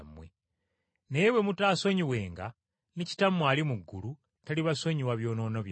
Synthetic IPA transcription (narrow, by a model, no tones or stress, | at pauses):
mːwe | nejewe̞mutaːso̞ɲiwe̞ːŋɡa̰ | nici̥tamːwaːlimuɡːulu | taliβaso̞ɲiwaβjo̞ːno̞ːnoβj